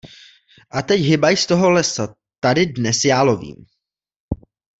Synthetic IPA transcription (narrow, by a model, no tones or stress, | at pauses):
ʔat̪ɛcɦɪbajst̪oɦo̞lɛsa | t̪adɪdnɛsjaːlovḭːm